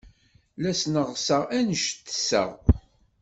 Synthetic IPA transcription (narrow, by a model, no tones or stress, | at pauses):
læsnəʁsəʁænəʃt̪ːə̥sə̰ʁ